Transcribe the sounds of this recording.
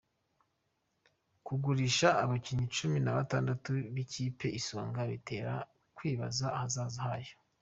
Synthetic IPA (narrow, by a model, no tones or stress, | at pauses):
kuɡuɾiʃaːβaciɲit͡ʃuminaβataːndatuβiciːpe̞ʔisoːŋɡaβḭte̞ːɾa̰ | kwiːβa̰zahazaːzahajo̥